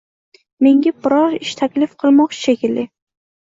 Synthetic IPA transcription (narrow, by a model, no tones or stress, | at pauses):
me̞ŋɡʲabɪɾɒɾɪʃt̪ʰakʲlɪfqʰɨlˠmɒqt͡ʃʃekʲɪlːɪ